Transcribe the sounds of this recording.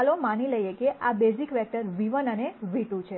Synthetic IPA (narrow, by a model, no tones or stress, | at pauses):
lomaniləjekeʔabezikʋɛk̚ʈəɾʋiʋənəneʋiʈũt͡ʃʰe